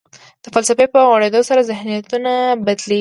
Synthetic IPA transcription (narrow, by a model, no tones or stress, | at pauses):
d̪̥əfalsafepəɣwaɽed̪osaɾazɪhnijat̪unabad̪le